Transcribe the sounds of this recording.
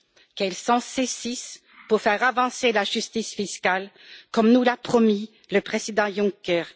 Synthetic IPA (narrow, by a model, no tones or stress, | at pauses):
kɛlsɑ̃sesis | puʁfɛʁavɑ̃selaʒyst̪isfiskal | kɔmnulapχɔmi | ləpχezid̪ɑ̃jɔ̃ŋkɛʁ